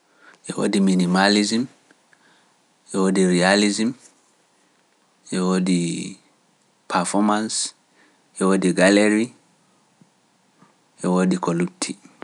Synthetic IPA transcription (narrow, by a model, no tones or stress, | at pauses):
ʔewo̰diminimalizim | ʔewodiɾializĩm | ewodi | pʰafɔmãns | jewodiɡaleɹi | ewodikolutʰi